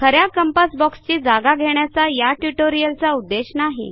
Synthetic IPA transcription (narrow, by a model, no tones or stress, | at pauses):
kʰəɾjakəmpəsbɔkst͡ɕiːd͡zaɡaɡʱeɳjat͡sajaʈuʈoɾijəlt͡saud̪ːeɕnaɦḭ